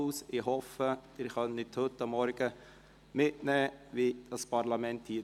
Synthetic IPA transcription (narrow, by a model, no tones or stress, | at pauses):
ʊsɪɦɔfəd̥ɪɾχœnɪthɵtːɑmːɔɾɡ̥ə | mɪtnɛːʋidɑspʰɑɾlɑmɛnthiː